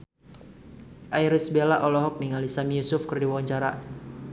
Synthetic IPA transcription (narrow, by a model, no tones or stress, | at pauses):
ʔaiɾisbelaʔɔlɔɦɔk̚niŋalisamijusʊfkɨrdiwawaɲt͡ʃaɾa